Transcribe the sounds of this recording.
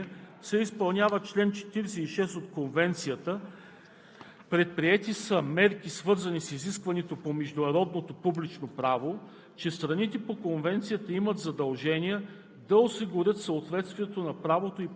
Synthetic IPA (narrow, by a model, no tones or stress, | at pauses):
sɛispɐlˠnʲjavət͡ʃlɛnt͡ʃɛ̥t̪iɾɛsɛiʃɛst̪ot̪konvɛnt̪sijət̪ə | pɾɛt̪̚pɾiɛt̪isəmɛɾkisvɤɾzɐnisiziskvɐnɛt̪opomɛʒd̪ʊnɐɾɔd̪not̪opublit͡ʃnopɾavo | t͡ʃɛst̪ɾɐnit̪ɛpokonvɛnt̪sijət̪əimət̪zɐd̪ɐlˠʒɛniɛ | d̪ɐosiɡʊɾʲɤt̪səot̪vɛt̪st̪viɛt̪onɐpɾavot̪oi